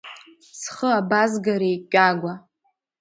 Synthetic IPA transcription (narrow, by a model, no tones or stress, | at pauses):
sχəabazɡaɾejkʲʷʼaɡʷa